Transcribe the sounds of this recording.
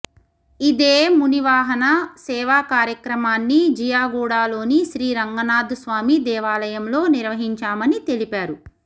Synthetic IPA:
id̪eːmuniʋaːɦɐnɐsɛːʋaːkaːɾjɐkɾɐmaːnːid͡ʒijaːɡuːɽaːlo̞ːniʃɾiːɾɐŋɡɐnaːd̪usʋaːmid̪ɛːʋaːlɐjɐmlo̞ːniɾʋɐɦiɲt͡ʃaːmɐnit̪e̞lipaːɾu

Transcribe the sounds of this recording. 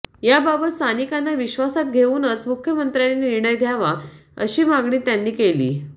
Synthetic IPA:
jababət̪st̪ʰanikanːaʋiɕʋasat̪ɡʱeuːnət͡smukʰjəmənt̪ɾjaniniɽ̃əjɡʱjaʋaəɕiːmaɡɳiːt̪janːiːkelḭː

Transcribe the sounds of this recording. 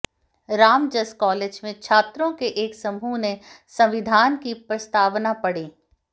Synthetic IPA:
ɾaːmd͡ʒəskɔːleːd͡ʒmẽt͡ʃʰaːt̪ɾõkeʔeːksɐmunẽ | sɐ̃ʋɪd̪ʱaːnkipɾɐst̪aːʋnapɐɽeː

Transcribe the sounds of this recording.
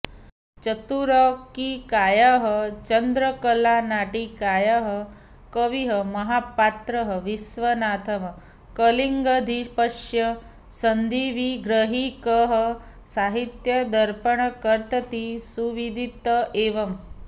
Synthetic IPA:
t͡ʃɐt̪uɾɔkikaːjaɦət͡ʃɐnd̪ɾəkəlanaːʈikaːjaɦə | kəʋiɦəmɐɦaːpaːt̪ɾɐɦəʋisʋɐnaːt̪ʰɐmɐ | kəliŋɡɐd̪ʱipɐʂjɐ | sɐnd̪ʱiʋiɡɾəɦikəɦə | saːɦit̪jɐd̪ʱɐɾpəɳ̃kəɾt̪ɐt̪isuʋid̪ʱit̪əeːʋɐm

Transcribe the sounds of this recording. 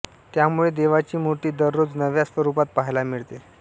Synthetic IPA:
t̪jamuɭed̪eʋat͡ɕiːmoʈiːd̪əɾːod͡znəʋjasʋəɾupat̪̚paɦjlamiɭt̪e

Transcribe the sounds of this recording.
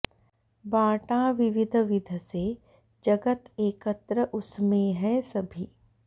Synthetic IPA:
bãːʈãʋɪʋɪd̪ʱʋɪd̪ʱse | d͡ʒɐɡət̪eːkət̪ɾəʔʊsmẽɦɛsɐbʱiː

